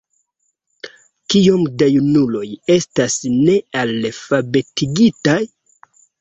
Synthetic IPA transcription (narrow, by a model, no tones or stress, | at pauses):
kijo̞mdajunulo̞je̞stasne̞alfabe̞tiɡitaj